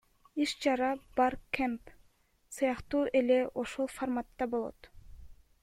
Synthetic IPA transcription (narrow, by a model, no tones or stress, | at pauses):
iʃt͡ʃɑɾɑb̥ɑɾkʰemp | sɯjɑqt̪uːʔe̞le̞ʔo̞ʃo̞lˠformat̪ːɑbo̞lˠo̰t̪